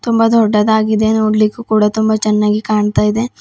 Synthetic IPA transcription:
t̪ʊmbad̪ʱoːɖad̪aːɡid̪enoːɖlikukuːɽat̪ʊmbat͡ʃɐnːaɡikaːɳt̪aid̪e

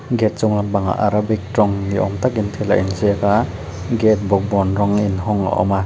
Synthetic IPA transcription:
ɡɛt̚t͡ʃɔŋlambaŋa̰ʔaɾabik̚tɾɔŋniʔɔ̰mt̪akint̪ʰɛla̰ʔinzeka | ɡɛt̚bɔk̚bɔnɾɔŋinɦɔŋa̰ʔɔ̰ma

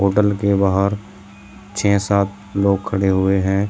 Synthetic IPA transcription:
ɦoːʈəlkebaːɦəɾ | t͡ʃʰɛ̃ːsaːt̪̚ | loːɡ̚kʰəɽeɦʊeɦɛ̃ː

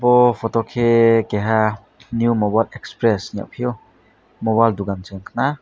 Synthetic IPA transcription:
bɔpʰɔtɔkʰekɛɦa | njumɔbajlɛkspɾɛsɲa̰ʔpʰiɔ | mɔβajlduɡansɯŋkʰna

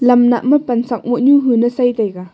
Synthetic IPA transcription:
lɐmna̰məpɐnsɐk̚mɔʔɲuɦunəsajt̪ajka

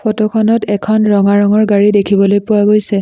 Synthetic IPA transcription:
pʰɔtɔkʰɔnɔtɛkʰɔnɹɔŋaɹɔŋɔɹɡaɹidekʰibɔlojpʊwaɡojsɛ

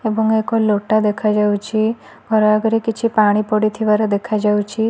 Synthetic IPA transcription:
ebəŋɡekoloʈad̪ekʰad͡ʒaut͡ʃʰi | bʱɔɾaaɡɾikit͡ʃʰipaɽ̃ipɔɽit̪ʰiʋaɾed̪ekʰad͡ʒaut͡ʃʰi

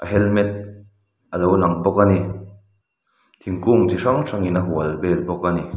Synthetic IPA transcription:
ʔaɦɛlmɛt̪̚ | ʔalownaŋbɔkani | t̪ʰiŋkuŋt͡sisaŋsʰaŋinaɦuɐlbelbɔkani

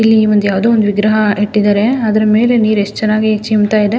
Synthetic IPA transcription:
ilːiʋɐnd̪ujaːʋd̪oːond̪uʋiɡɾɐɦɐeʈːid̪aːɾe̞ɐd̪ɐɾɐme̞ːle̞niːɾeʂtt͡ʃɛnːaːɡit͡ʃimt̪aːjid̪e

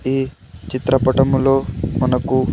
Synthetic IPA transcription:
iː | t͡ʃit̪ɾɐpɐʈɐmlo̞ːmɐnɐku

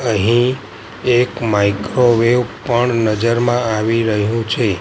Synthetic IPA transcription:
əɦĩ | ekmaikɾoʋeʋpəɳnəd͡ʒəɾmãaʋiɾəɦjũt͡ʃʰe

